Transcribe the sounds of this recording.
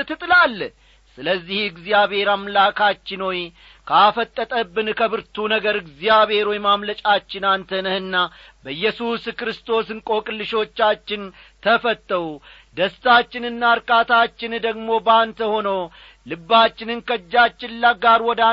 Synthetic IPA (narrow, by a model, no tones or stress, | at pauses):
ɨt̪ʰɨt̪ʼɨlalː | sɨləzːihɨɡzijaβe̞ɾamlakʰat͡ʃːɪnoj | kʰəafət̪ʼːət̪ʼəbːɨnkʰəβɨɾt̪ʰunəɡəɾɨɡzijaβe̞ɾojmamlət͡ʃʼat͡ʃːɪnant̪ʰənəhɨnːa | bəjːɛsuskɾɨst̪ʰo̞sɨŋkʼo̞kʼɨlːɨʃo̞t͡ʃːat͡ʃːɪn | t̪ʰəfət̪ʼːəwu | d̪əst̪at͡ʃːɪnɨnːaɾkʼat̪at͡ʃːɪnd̪əɡmo̞bant̪ʰəho̞nəw | lɨbːat͡ʃːɪnɨnkʰəd͡ʒːat͡ʃːɪnlːaɡaɾwɔd̪a